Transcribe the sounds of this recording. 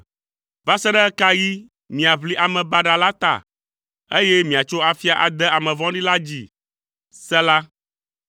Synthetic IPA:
va˦sɛ˦ɖɛ˦ka˦ji˦ | mĩ˨a˨βli˦ʔa˨mɛ̃˨ba˦ɖa˨la˦t̪a̰˨ | e˦jɛ˦mĩ˨a˨t͡ʃo˦a˨fi˦a˨ʔa̰˨d̪ɛ˦a˨mɛ̃˨vɔ̃˦ɖi˦la˦d͡ʑi˦ | sɛ˦la˦

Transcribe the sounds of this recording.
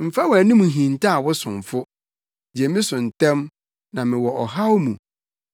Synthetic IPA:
m̩˨fa˦wɔ˨æ˨nĩ˦mũ˨ɦĩ˨n˨tʰa˦a˨wʊ˦sʊ̃˨mfʊ˦ | d͡ʑɛ˨˦mɪ̃˦sʊ̃˨n˨tʰɛ̃˦m | nã˨mɪ̃˨wɔ˨ʔɔ˨ɦa˦wmũ˨

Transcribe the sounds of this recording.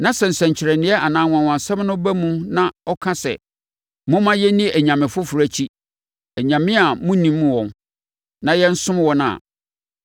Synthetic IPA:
nã˦sɛ˨n̩˨sɛ̃˨ɲ˨t͡ɕʰɪ˨ɾɛ˨nɪ̃˦ɛ˦ʔa˨nãː˨˦˨wã˨wã˨n˨sɛ̃˦m˦nʊ̃˦bæ˦mũ˦nã˦ɔ˦kʰã˦sɛ̰˨ | mʊ̃˦mã˦jɛ˦nĩ˦˨ʔæ˨ɲã˨mɪ̃˨fʊ˦fu˨ɾæ˦t͡ɕʰi˦ | æ˨ɲã˨mɪ̃˦a˨mũ˦nĩ˨mːũ˦wɔ̃˨n | nã˨jɛ˦n̩˦sʊ̃˦m˦wɔ̃˦n˦a̰˨

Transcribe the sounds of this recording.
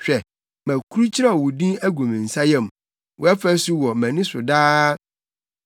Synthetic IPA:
ɕᶣɛ˨ | mæ̃˨kʰu˦ɾu˦t͡ɕʰi˦ɾa˦˨wʊ˨dĩ˦æ˦ɡũ˨mĩ˨n̩˨sa˦jɛ̃˦˨m˨ | wɔ˨ɛ˦fæ˦sʊ˦wɔ˨mæ̃˨nĩ˦sʊ˨daː˦

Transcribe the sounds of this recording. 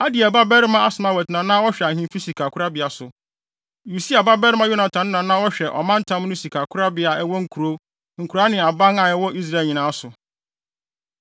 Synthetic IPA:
a˦dɪ˨ɛ˨ba˦bɛ˦ɾɪ˦mã˦a˦sʊ˨mã˨wɛ˨tnã˨nã˦wɔ˦ɕᶣɛ˨a˨hĩ˦fi˦si˨kʰa˨kʰʊ˦ɾa˦bɪ˨a˨sʊ˨ | ju˨si˦a˨ba˦bɛ˦ɾɪ˦mã˦jo˦na˨tʰã˨˦n˦nã˨nã˦wɔ˦ɕᶣɛ˨ʔɔ̰˨mã˦n̩˦tʰã˦m˦nʊ̃˦si˨kʰa˨kʰʊ˦ɾa˦bɪ˨˦a˨ɛ˦wɔ˦ŋ̩˨kʰu˨ɾo˦ | ŋ̩˨kʰu˨ɾa˨˦nɪ̃˨a˨bã˦ŋa˨ɛ˦wɔ˦ʔi˦s̬ɾa˦˨ɲĩ˨nã˨˦a˦sʊ˨

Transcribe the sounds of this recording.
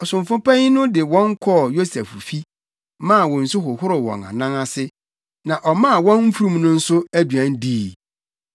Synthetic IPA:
ɔ˨sʊ̃˨ɱfʊ̃˦pa˦ɲi˦nʊ̃˦dɪ˨wɔ̃˦ŋ˦kʰɔ˦˨jo˦sɛ˨ffi˦ | mã˦˨wɔ̃˨n̩˨sʊ˦ɦʊ˨hʊ˦ɾɪ˨wɔ̰̃˨na̰˨nã˦ŋa˦sɪ˦ | nã˨ʔɔ˨mã˦a˨wɔ̃˦nm̩˦fu˦ɾũ˦mnʊ̃˦n̩˦sʊ˦æ˦dɥæ̃˦n˦diː˦˨˦

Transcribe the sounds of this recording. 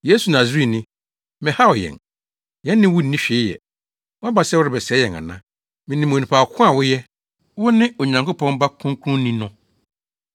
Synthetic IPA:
je˦su˨nã˨si˦˨nɪ̃˦ | mɪ̃˨ha˦ɔ˨jɛ̰̃˨n | jɛ̃˦nː˦ɪ̃˦wʊ˦n̩˨nĩ˦ɕᶣe˨˦jɛ̰˨ | wʊ˦a˦ba˨sɛ˦wʊ˦ɾɪ˨bɛ˨sɛ˨˦jɛ˨ŋa̰˨nã˦ | mɪ̃˨nĩ˨m˨õ˨nĩ˨pʰa˨kʰʊ̃˦a˨wʊ˦jɛ˦ | wʊ˦nɪ̃˦o˨ɲã˨ŋko˦pʰɔ̃˦nba˦kʰũ˦ŋkʰũ˦n˦nĩ˦nʊ̃˨

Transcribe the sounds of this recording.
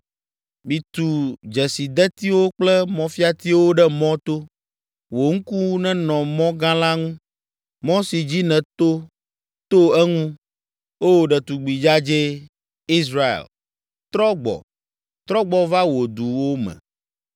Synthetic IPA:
mĩ˨t̪u˨d͡ʒɛ˨si˨d̪ɛ˦t̪i˦wo˦k͡plɛ˦mɔ̃˨fi˦a˦t̪i˦wo˦ɖɛ˦mɔ̃˦t̪o˦ | wo˨ŋ̩˦ku˦wu˦nɛ̃˦nɔ̃˨mɔ̃˦ɡã˦la˦ŋũ˦ | mɔ̃˦si˨d͡ʑi˦nɛ̃˨t̪o˦ | t̪o˦ɛ˦ŋũ˦ | o˦˨ɖɛ˨t̪u˨ɡ͡bi˨d͡ʒa˦d͡ʒe˦ | i˦sɾa˨ḛ˨l | t̪ɾɔ˦ɡ͡bɔ̰˨ | t̪ɾɔ˦ɡ͡bɔ˦va˦wo˨d̪u˨wo˦mɛ̰̃˨

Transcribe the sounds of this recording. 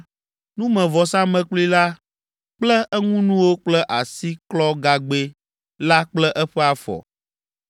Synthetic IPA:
nũ˦mɛ̃˨vɔ˨sã˦mɛ̃˨k͡pli˦la˦ | k͡plɛ˦ʔɛ˦ŋũ˦nũ˦wo˦k͡plɛ˦ʔa˨si˦klɔ˦ɡa˨ɡ͡be˦ | la˦k͡plɛ˦ʔɛ˦ɸɛ˦a˨fɔ̰˨

